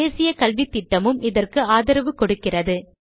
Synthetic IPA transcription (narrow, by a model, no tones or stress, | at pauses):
eːsɪjɐkɐlʋit̪ːɪʈːɐmɯmɪðɐrkɯaːðɐɾɐʋɯkɔɽɯkːɪrɐðɯ